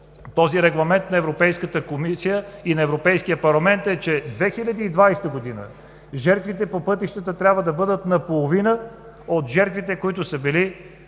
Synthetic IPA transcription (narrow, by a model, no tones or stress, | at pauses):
t̪ɔziɾɛɡlˠɐmɛnt̪nɐɛvɾopɛjskət̪əkomisijəinɐɛvɾopɛjskijəpɐɾlˠɐmɛnt̪ɛt͡ʃɛd̪vɛxilʲɐd̪iːd̪vajst̪əɡod̪inə̰ | ʒɛɾt̪vit̪ɛpopɤt̪iʃt̪ət̪ət̪ɾʲabvəd̪ɐbɤd̪ət̪nɐpolˠovinə | ot̪ʒɛɾt̪vit̪ɛkoit̪ʊsəbili